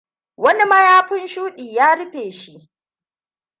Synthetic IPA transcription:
wɐ˦ni˦mɐ˦jaː˦ɸʊ˦nʃuː˦ɗiː˨jaː˦ɽʊ˦ɸeː˨ʃi˦ʔ

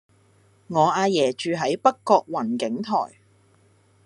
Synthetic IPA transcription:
ŋɔː˨˧aː˧jɛː˨˩t͡ʃyː˧ɦɐ˨˥jpɐ˥kːɔː˧k̚wɐ˨˩nkɪ˨˥ŋt̪ʰɔ̰ː˨˩j

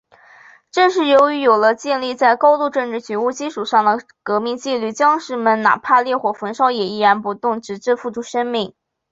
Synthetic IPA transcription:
ʈ͡ʂɤ˥˧nʂ̬ɻ̩˥˩jo˧˥ʊy˧˥jo˨˩ʊlə˦t͡ɕjɛ˥˧nli˥˧t͡sa˥˩ɪkɑ˥ʊt̪u˥˧ʈ͡ʂɤ˥˧ŋʈ͡ʂɻ̩˥˩t͡ɕɛ˧˥u˥˩t͡ɕi˥ʂu˨˩ʂɑ˥˩ŋd̪ə˩ | kɤ˧˥mi˥˧ŋt͡ɕi˥˧ly˥˩t͡ɕjɑ˥ŋʂɻ̩˥˩mə˧˥nna̰˨˩pʰa˥˧ljɛ˥˩xwɔ˨˥˩fwə˧˥nʂɑ˥ʊjɛ˨˩i˥˩ɻa˧˥npu˧˥t̪ʊ˥˩ŋʈ͡ʂɻ̩˧˥ʈ͡ʂɻ̩˥˧fu˥˩ʈ͡ʂʰu˥ʂə˥nmi˥˩ŋ

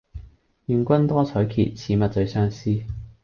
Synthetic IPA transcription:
jyː˨nkʷɐ˥nt̪ɔː˥t͡sʰɔː˨˥jkʰḭː˨˩t̚t͡sʰiː˨˥mɐ˨t̚t͡sɵ˨˧sœː˥ŋsiː˥

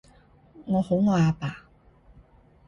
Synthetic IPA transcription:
ŋɔː˨˧ho˨˥wŋɔː˧aː˨˧paː˨

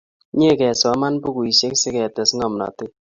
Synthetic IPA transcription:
ɲe˦˨kɛ˨sɔ˨˦ma˦npu˦ku˨i˨se˦ksɪ˦kɛ˨tɛ˨sŋɔ˨m˨nɔ̰˨tɪ˦

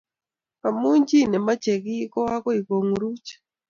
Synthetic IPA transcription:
a˨mu˦ɲd͡ʒi˦nɛ˨ma˦t͡ʃe˨ɡi˦kɔ˦a˦kɔ˦i˨ko˨ŋɾu˦t͡ʃ

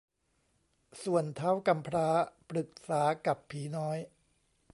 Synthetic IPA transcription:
su˨˩ənt̪ʰaː˦˥wka˧mpʰɾaː˦˥pɾɯ˨˩k̚saː˩˦ka˨˩pʰːiː˩˦nɔː˦˥j

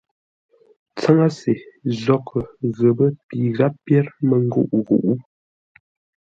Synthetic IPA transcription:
t͡sa˦ŋa˦se˨zɔ˦kʰə˨ɣə˨bə˦pi˨ɣa˦ppjɛ˦ɾmə˨ŋ˦ɡu˦˨ʔɣṵ˨ʔu˦

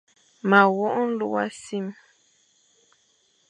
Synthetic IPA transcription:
ma˨wɔ˦ʔɔ˦n˦lu˦wa˦si˦m

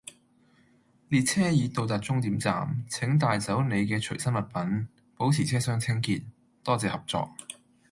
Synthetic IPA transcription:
li˨˧t̚t͡sʰɛː˥jiː˨˧t̪o˨˧wt̪aː˨˩t̚t͡sʊ˥ŋt̪iː˨˥mt͡sa̰ː˨mt͡sʰɪ˨˥ŋt̪aː˨jt͡sɐ˨˥wne˨˧jkɛː˧t͡ʃʰɵ˨˩jsɐ˥nmɐ˨t̚pɐ˨˥n | po˨˥wt͡sʰiː˨˩t͡sʰɛː˥sœː˥ŋt͡sʰɪ˥ŋkiː˧t̚ | t̪ɔː˥t͡sɛː˧hɐ˨˩p̚t͡sɔ̰ː˨˧k̚

